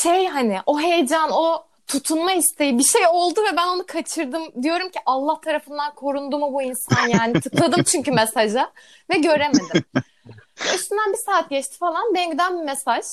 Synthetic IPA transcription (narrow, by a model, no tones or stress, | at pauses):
ʃejɦanɪʔo̞ɦejd͡ʒano̞ | t̪ʰut̪ʰunmahist̪ʰe̞jibiʃejo̞lˠd̪uvɛbæno̞nukʰat͡ʃʰɯɾd̪ɯmd̪ijo̞ɾumcʰiʔalˠːaht̪ʰaɾafɯnd̪ankʰo̞ɾund̪umubuinsanjaːnit̪ʰɯklˠad̪ɯmt͡ʃʰyɲcymesaʒa | vɛɟø̞ɾe̞me̞d̪ɪm | ɛyst̪ynd̪ænbisaːt̪̚ɟɛt͡ʃt̪ʰi̥falˠanbɛɲɟd̪ænbimesaʒ̥